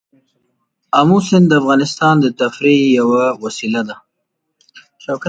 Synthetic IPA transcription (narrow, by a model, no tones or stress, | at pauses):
amusɪnd̪əafɣɑnɪst̪ɑnd̪ət̪afɾejawawasilad̪a | ʃawka